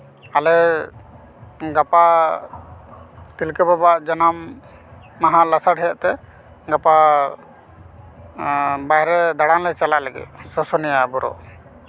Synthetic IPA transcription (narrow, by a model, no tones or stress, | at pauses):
alɛ | ɡapa | k̪ilkɛbɔbaʔd͡ʒanamː | aɦalasaɽɦɛjaʔt̪ɛ | ɡapa | bajɾɛd̪aɽanlɛt͡ʃalalɛɡɛ̰t̪̚sɔsɔnɛjabɔɾɔ̰ʔ